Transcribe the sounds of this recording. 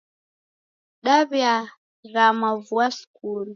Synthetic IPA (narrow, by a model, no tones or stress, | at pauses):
ɗaβja | ɾamavuasu̥kulu